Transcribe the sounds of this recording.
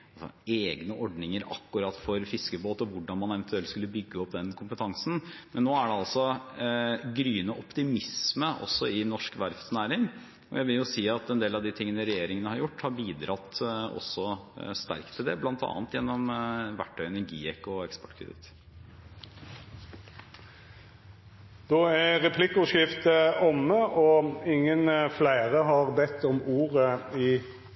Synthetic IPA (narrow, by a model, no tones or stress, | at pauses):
ɑlsɔ̰eːɡnəʔɔɖnɪŋəɾɑ̰kːʉɾɑt̪ːfɔɾfɪskəboːt̪ɔʋʊɖɑnmɑnɛʋənt̪ʰʉɛlt̪skʉlːəbʏɡːəɔpd̪ɛnkʰʊmpət̪ʰɑŋsn̩mɛnːoːæɖɛɑlsɔ | ɡɾyːnəʔɔpt̪ɪmɪsməʔɔ̰sːɔɪnɔʂkʋæɾfsnæːɾɪŋ | ɔ̰jæɪʋɪljʊsiːɑt̪ɛnd̪eːlɑʋd̪ɪt̪ʰɪŋːənəɾɛjeːɾɪŋənəhɑɾjʊʈːhɑɾbiːd̪ɾɑt̪ɔ̰sːɔst̪æ̰ɾkt̪ʰɪld̪ɛblɑnt̪ʰɑ̰ːnət̪jɛnːɔmʋæ̰ʈʰːœʏnəɡiːɛkɔɛkspɔ̥ʈːkʰɾɛ̰d̪ɪ̰t̪ | d̪oːæʁɛpʰlɪkːʊʃɪft̪əɔmːəʔɔɪŋːənflæɪʁəɦɑʁbɛt̪ʰːɔmuːɾəɪ